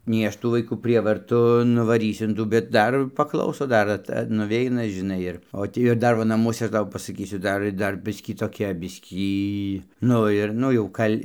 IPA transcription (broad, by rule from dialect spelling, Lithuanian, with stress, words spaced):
nʲɛɪ ˈɐʃ ˈtuː ʋɐɪˈkuː ˈpʲrʲiɛʋɐrtʊ nʊʋɐˈrʲiːsʲʊ ɪn ˈtuː bʲɛt ˈdɐr pɐˈklˠɐʊsoː ˈdɐr ɐt nʊˈʋʲɛɪnɐ ʒʲɪˈnɐɪ ɪr oː ˈtʲiː ɪr ˈdɐr ˈʋɐ nɐˈmuɔsʲɛ ˈɐʃ ˈtɐʊ pɐsɐˈkʲiːsʲʊ ˈdɐr ɪr ˈdɐr ˈbʲɪsʲkʲiː toːˈkʲɛ ˈbʲɪsʲkʲiː ˈnʊ ɪr ˈnʊ jɛʊ ˈkɐlʲ